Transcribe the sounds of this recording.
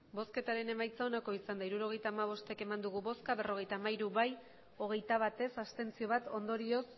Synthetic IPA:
bo̞ske̞t̪aɾe̞ne̞majt͡sao̞nako̞isand̪aiɾuɾo̞ɣ̞e̞jt̪aːmaβ̞o̞st̪e̞ke̞mand̪uɣuβo̞skaβe̞ro̞ɣe̞jt̪aːmaiɾuβaj | o̞ɣ̞e̞jt̪aβ̞at̪e̞sast̪e̞nt͡sio̞βat̪o̞nd̪o̞ɾio̞s

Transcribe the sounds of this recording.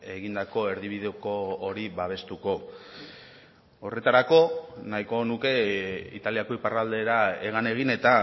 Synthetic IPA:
e̞ɣind̪ako̞e̞ɾðiβ̞iðeokoːɾiβaβ̞e̞st̪uko̞ | o̞re̞t̪aɾako̞najko̞nuke̞ḭt̪aliako̞iparald̪e̞ɾae̞ɣ̞ane̞ɣ̞ine̞t̪a

